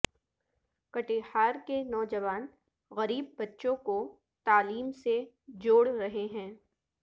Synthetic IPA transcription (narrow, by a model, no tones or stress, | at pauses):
kɐʈehaːɾkenɔːd͡ʒɐʋaːn | ɣɐɾiːbːɐtːʃõko | t̪aːliːmse | d͡ʒoːɽɾɐɦeɦɛ̃ː